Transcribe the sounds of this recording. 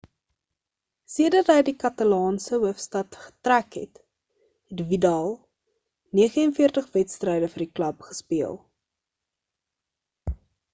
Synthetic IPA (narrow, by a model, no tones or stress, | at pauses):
siədɐtɦəjdikɐtɐlɑːnsəɦuəfstɐtχə̥trækɦɛ̰t | ɦɛtvidɑlˠ | niəχəənfiərtəχvɛtstrɛjdəfərdiklɐpχə̥spiəlˠ